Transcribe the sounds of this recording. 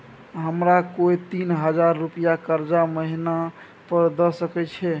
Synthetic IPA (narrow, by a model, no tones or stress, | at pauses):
ɦəmɾakoit̪inɦəd͡ʒaɾːupijakəɾd͡ʒaməɦina | pəɾd̪ɔsəkɛt͡ʃʰɛ